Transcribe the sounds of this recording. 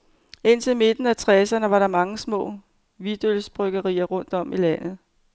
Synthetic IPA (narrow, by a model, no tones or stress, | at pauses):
e̝n̰t͡sʰe̝lme̝d̥n̩æt͡sʰʁɛsɐnəʋɑ̈ɾɑ̈mɑ̈ŋəsmɔ̰̽ː | ʋid̥ølsb̥ʁœɡ̥ɐʁḭːɐʁɔ̽n̰d̥ɒ̽milæn̰ð̩ˠ